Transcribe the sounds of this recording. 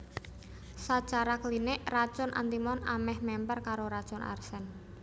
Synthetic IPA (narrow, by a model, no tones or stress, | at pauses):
sat͡ʃaɾakəlinɪʔrat͡ʃʊnʔa̰nt̪imɔna̰mɛhmɛmpərkaɾoɾad̥t͡ʃʊnʔa̰rsɛn